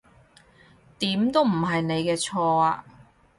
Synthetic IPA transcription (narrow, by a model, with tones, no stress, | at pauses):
t̪iː˨˥mt̪o˥wm̩˨˩ɦɐ˨jne˨˧jkɛː˧t͡sʰɔː˧aː˧